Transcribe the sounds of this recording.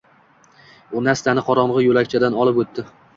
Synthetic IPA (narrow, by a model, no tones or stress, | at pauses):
ʊnast̪anɪqʰɒɾɒɴʁɨjolakʲt͡ʃʰad̪anɒlˠɪpɵt̪ːɪ